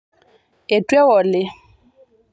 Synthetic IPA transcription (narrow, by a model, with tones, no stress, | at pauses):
e˨tʼwɛ˦wɔ˨lɪ˦